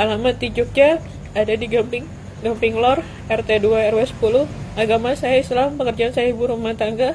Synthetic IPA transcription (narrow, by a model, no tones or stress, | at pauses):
alamat̪ːid͡ʒʊk̚d͡ʒa | adadiɡampɪŋ | ɡampɪŋlɔr | ɛrt̪eduaɛrwɛsə̥pulʊhʔaɡamasajaislampəkərd͡ʒaːnsajaibuɾumaht̪aŋɡa